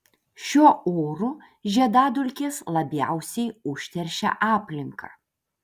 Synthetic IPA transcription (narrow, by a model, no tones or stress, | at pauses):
ʃʲuɔoːɾu | ʒʲiɛd̪ɑːd̪ʊlʲkʲeːslˠɐbʲjæ̰ˑʊsʲɛɪʊʃʲt̪ʲɛɾʲʃʲɛ̰ʔɑːpʲlʲɪŋkɐ̰